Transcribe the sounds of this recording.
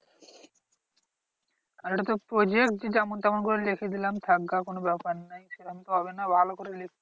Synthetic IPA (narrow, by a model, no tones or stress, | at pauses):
k̪aleʈat̪opɾod͡ʑekʈ̚d͡ʑed͡ʑamont̪amonkoɾelekʰed̪ilamt̪ʰaɡːakonobɛpaɾnːajʃeʈamt̪oɦɔbenabʱalokoɾelekʰ